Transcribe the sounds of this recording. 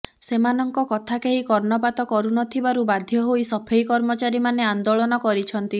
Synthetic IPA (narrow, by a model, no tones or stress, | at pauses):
semanɔŋkɔkɔt̪ʰakeɦikɔɾnɔpat̪ɔkɔɾunɔt̪ʰibaɾubad̪ʱjɔɦoisɔpʰejkɔɾmɔt͡ʃaɾimaneand̪oɭɔnɔkɔɾit͡ʃʰɔnt̪i